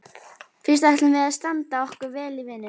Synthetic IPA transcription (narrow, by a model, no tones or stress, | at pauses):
fɪn̥st̪ajht̪lʏnvɪɾðaðst̪ant̪aɔhkʏɾvɛːlivɪnːʏ